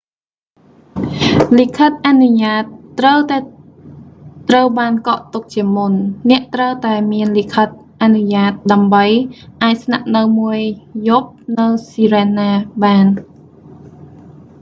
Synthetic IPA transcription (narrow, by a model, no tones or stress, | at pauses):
likʰət̪̚ʔanuɲaːt̪ːrəwt̪aɛ | t̪rəwɓaːnkɑʔt̪uk̚t͡ɕiəmunnɛ̆əʔt̪rəwt̪aɛmiənlikʰət̪̚ | ʔanuɲaːt̪̚ɗaəmɓəjʔaːc̚snaʔnɨwmuəjjup̚nɨwsiːɾenːaːɓaːn